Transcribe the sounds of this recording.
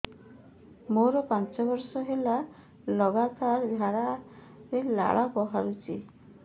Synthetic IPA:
moɾɔpant͡ʃɔbɔɾsɔɦela | lɔɡat̪aɾd̪ʱjaɾa | ɾela̰ɭapɔɦaɾut͡ʃʰi

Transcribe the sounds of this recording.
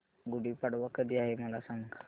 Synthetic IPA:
ɡuɽipaɽʋakəd̪iaɦeməlasãŋɡ

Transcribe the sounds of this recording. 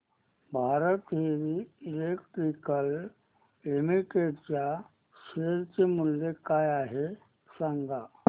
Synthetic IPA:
bʱaːɾət̪ɦeɾiːlekʈɾikəl | emiʈeʈt͡ɕa | ʃeːɾt͡ɕemʊljekajaːɦe | sãŋɡa

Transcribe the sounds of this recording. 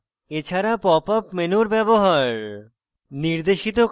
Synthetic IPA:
et͡ɕʰaɾapɔpapmenuɾbɛboɦaɾ | niɾd̪eʃit̪o

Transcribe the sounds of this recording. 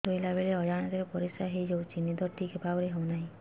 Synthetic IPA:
t̪ojlabeleɔd͡ʒaɽ̃ɔt̪eɾepɔɾisaɦejd͡ʒowt͡ʃinid̪ɔɾʈ̪ʰikepabɔɾeɦɔwnaɦĩ

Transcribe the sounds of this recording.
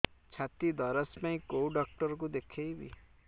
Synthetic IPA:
t͡ʃʰat̪id̪ɔɾɔspãĩkowɖɔk̚ʈɔɾɔk̬ud̪ekʰejbḭ

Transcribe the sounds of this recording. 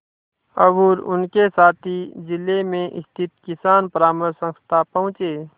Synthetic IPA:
əbuːɾʊ̰nkesaːt̪ʰid͡ʒɪlemẽʔɪ̰st̪ʰɪt̪kɪsaːnpəɾaːməɾsə̃ŋst̪ʰapəɦʊ̃t͡ʃeː

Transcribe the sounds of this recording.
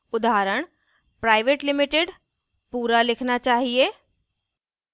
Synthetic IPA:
ʊd̪aːɾəɽ̃ | pɾaːɪʋeːʈlɪmɪʈeɖ | puːɾalɪkʰnat͡ʃaːɦieː

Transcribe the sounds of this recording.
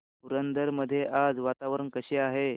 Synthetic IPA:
puɾənd̪əɾməd̪ʱːjeʔad͡zʋat̪aʋəɾəɳkəɕeaɦe

